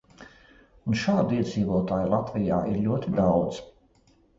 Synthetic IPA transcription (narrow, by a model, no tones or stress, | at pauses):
unʃaːd̪iɛd̪ziːvuɔt̪aːjlˠat̪vija̰ːʔiɾʎʲuɔt̪id̪awd̪z